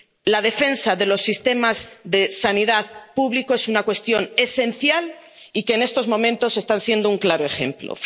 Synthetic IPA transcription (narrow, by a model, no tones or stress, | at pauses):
lað̞e̞fe̞nsaðe̞lo̞sːist̪e̞mazðe̞saniðaðpuβlikoe̞sunakwe̞st̪jo̞ne̞se̞n̟θjal | ike̞ːne̞st̪o̞zmõ̞mẽnt̪o̞se̞st̪ansje̞nd̪ouŋklaɾoe̞xe̞̰mplo̰